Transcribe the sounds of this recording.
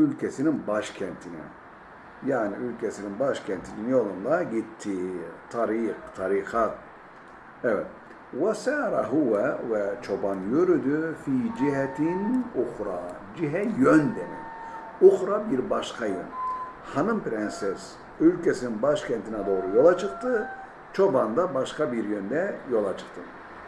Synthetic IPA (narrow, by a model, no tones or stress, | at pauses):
ylʲcʰɛsininbaʃcʲʰɛnt̪ʰinḭ | jaːniylʲcʲʰɛsininbaʃcʰɛnt̪ʰininjo̞lˠund̪aɟit̪ʰːit̪ʰaɾiqt̪ʰaɾixʰat̪ | ɛvɛt̪̚ | wasɛɾaɦuwɛvɛt͡ʃʰobanjøɾyd̪yfiːd͡ʒiɦɛt̪ʰinuxɾɑ | d͡ʒiɦɛjønd̪ɛmḭn | uxɾɑbiɾbɑʃkʰɑjɯ̰nhɑnɯmpɾɛnsɛs | ylʲcʰɛsininbaʃkʲʰɛnt̪ʰinɛd̪o̞ːɾujo̞lˠɑt͡ʃʰɯq̚t̪ʰɯ | t͡ʃʰobɑnd̪ɑbɑʃkɑbiɾjønd̪ɛjo̞lˠat͡ʃʰɯ̥qt̪ʰɯn